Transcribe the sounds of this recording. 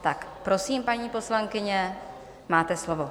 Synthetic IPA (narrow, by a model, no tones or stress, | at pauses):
t̪akpɾo̞siːmpaɲiːpo̞slaŋkɪɲɛ | maːt̪ɛslo̞vo